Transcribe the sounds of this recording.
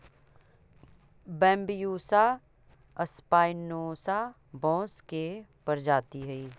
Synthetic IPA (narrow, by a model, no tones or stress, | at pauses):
bɛ̃ːmbjuːsa | ɐspaːɪnoːsa | bɔ̃ːskepɐɾd͡ʒaːt̪iɦɛiː